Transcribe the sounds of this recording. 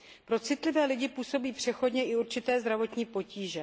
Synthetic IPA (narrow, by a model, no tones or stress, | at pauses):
pɾo̞t͡sɪt̪lɪvɛːlɪɟɪpuːso̞biːpr̥ɛxo̞dɲɛʔɪuɾt͡ʃɪt̪ɛːzd̪ɾavo̞t̪ɲiːpo̞ciːʒɛ